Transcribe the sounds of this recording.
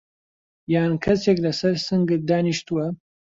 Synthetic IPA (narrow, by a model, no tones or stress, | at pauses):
jaːnkʰɐseklɐsɐɾsɨŋɡɨt̪̚d̪aːniʃt̪uwɐ